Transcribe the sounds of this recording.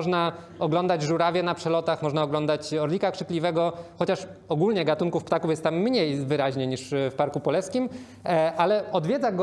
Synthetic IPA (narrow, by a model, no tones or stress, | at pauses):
ɔʐna | ɔɡlɔnd̪ad͡ʑʐuɾavʲjɛnapʂɛlɔt̪axmɔʐnaɔɡlɔnd̪at͡ɕɔɾlʲikakʂɘklʲivɛɡɔxɔt͡ɕaʂ | ɔɡulɲɛɡat̪uŋkufpt̪akufjɛst̪ːamːɲejvɘɾaʑɲeɲiʂfpaɾkupɔlɛskʲim | ʔalɛɔd̪vʲjɛd̪zaɡɔ